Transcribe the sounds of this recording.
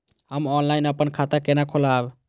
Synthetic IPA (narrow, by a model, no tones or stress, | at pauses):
ɦəmɔnlajinəpənkʰat̪akenakʰolab